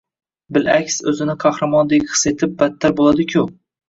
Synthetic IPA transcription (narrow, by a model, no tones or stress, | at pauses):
bɪlakʲsɵzɪnɪqʰɑhɾamɒnd̪eqʰɨ̥se̞t̪ʰɪp̚bat̪ʰːaɾbolˠad̪ɪkʲʰʊ